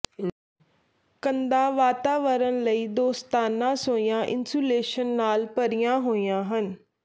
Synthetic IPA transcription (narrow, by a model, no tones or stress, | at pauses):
kə̃nd̪ãːʋaːt̪aːʋəɾənləiːd̪oːst̪aːnãːsoːijãːʔɪ̰nsuːleːʃənːaːlpəɾijãːɦoːijãːɦən